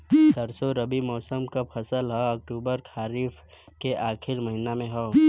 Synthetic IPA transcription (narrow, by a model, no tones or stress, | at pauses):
səɾsoɾəbimɔːsəmkapʰɐsəlɦɛɐk̚ʈuːbəɾkʰaːɾiːf | keʔaːkʰɪɾmɐɦɪnamẽɦoː